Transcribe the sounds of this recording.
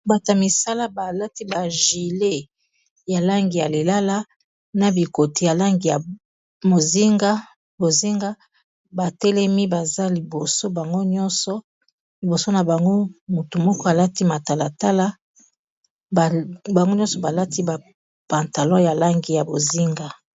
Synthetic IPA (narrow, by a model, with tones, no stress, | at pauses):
ba˨ta˨mi˨sa˦la˦ba˨la˦ti˦ba˨ʒi˨le˦ | ja˨la˦ŋɡi˨ja˨le˨la˦la˦ | na˨bi˨ko˨tʰi˨ja˨la˦ŋɡi˨ja˨ | mo˨zi˦ŋɡa˦ | bo˨zi˦ŋɡa˦ | ba˨tɛ˦lɛ˦mi˦ba˨za˦li˨bo˨so˦ba˨ŋɡo˦ɲɔ˦nsɔ˨ | li˨bo˨so˦na˨ba˨ŋɡo˦mo˨tu˨mɔ˦kɔ˦a˨la˦ti˦ma˨ta˨la˨ta˦la˦ | bba˨ŋɡo˦ɲɔ̃˦sɔ˨ba˨la˦ti˦ba˨ | pã˨nta˨lɔ̃˦ja˨la˦ŋɡi˨ja˨bo˨zi˦ŋɡa˨